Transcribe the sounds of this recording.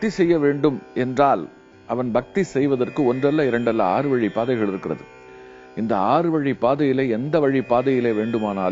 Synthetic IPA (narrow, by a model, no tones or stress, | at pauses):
t̪isɛjːɐʋeːɳɖɯmʔɛndraːl | ʔɐʋɐnbɐk̚t̪isɛjʋɐðɐrkɯɔndrɐlːaɪɾɐɳɖɐlːa̰a̰ːɾɯʋɐɻipaːðɐɪɣɐɭɪɾɯkːɪrɐ̰ðɯ | ɪnd̪ɐaːɾɯʋɐɻipːaːðɐjɪleːɛnd̪ɐʋɐɻipːaːðɐjɪleːʋeːɳɖɯmaːnaːl